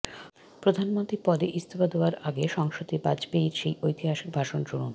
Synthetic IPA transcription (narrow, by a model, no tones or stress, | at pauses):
pɾod̪ʱanmont̪ɾipɔd̪eʔist̪ʰofad̪ooaɾaɡeʃɔŋʃot̪ebad͡ʑbeiɾʃejojt̪iɦaʃik̚bʱaʃond͡ʑuɾun